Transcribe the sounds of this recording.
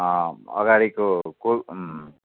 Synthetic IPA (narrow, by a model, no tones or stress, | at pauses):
ʌ̰ɡaɽikoko